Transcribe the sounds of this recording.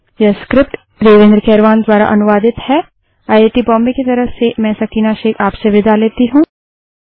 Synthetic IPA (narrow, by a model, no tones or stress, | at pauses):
jɐskɾɪp̚ʈ | ɾeːʋẽnd̪ɾkɛːɾʋaːnd̪waːɾa̰ʔɐnʊʋaːd̪ɪt̪hɛː | aːjeːʈibɔ̃ːmbeket̪ɐɾəsemɛ̃ːsɐkiːnaʃeːkʰaːpseʋɪd̪ʱaleːt̪iɦũː